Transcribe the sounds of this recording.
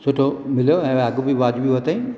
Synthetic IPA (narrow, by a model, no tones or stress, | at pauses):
sʊʈʰomɪljoɛ̃ːɐɡũbiʋaːd͡ʑbiʋɐt̪aĩ